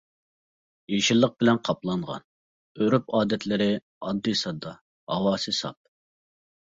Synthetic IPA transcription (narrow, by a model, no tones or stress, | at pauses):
jeʃilˠːəq̚bɪlɛnqʰɑplˠɑɴʁɑ̰n | øɾypɑːd̪ɛt̪ʰlɪɾɪ | ɑd̪ːisɑd̪ɑ | hɑ̰wɑːsɨsɑ̰p̚